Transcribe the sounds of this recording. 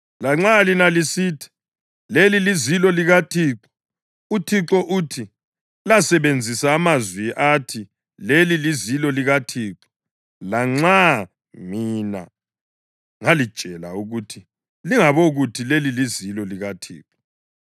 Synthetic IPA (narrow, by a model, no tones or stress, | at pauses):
laŋ͡ǁalinalisiːtʰi̥ | lelilizilɔliɣatʰiːǁɔ̥ | utʰiǁɔʔuːtʰi | lasɛβend͡zʱisaːmazwiʔatʰi | lelilizilɔliɣatʰiːǁɔ̥ | laŋ͡ǀa | mina̰ | ŋalid̥ʒ̥ʱɛla̰uɣutʰi | liŋaβoɣutʰilelilizilɔliɣatʰḭːǁɔ̥